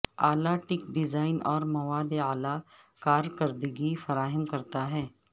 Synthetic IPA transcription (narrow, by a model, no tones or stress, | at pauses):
a̰ːlaʈɪkɖɪzaːɪnɔːɾmɐʋaːleaːla | kaːɾkɐɾd̪əɡifɐɾaːɦəmkɐɾt̪aɦɛː